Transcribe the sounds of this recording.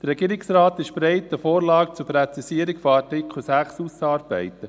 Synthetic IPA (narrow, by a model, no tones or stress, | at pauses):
d̥əɾːɛɡiːɾɪksɾɑːt̪ɪʃpɾɛɪtəfoːɾlɑːk̚t͡sʊpɾɛt͡sisiəɾikfoɑɾtɪkχl̩sæχsusɑːɾb̥ɛ̰ɪt̪ə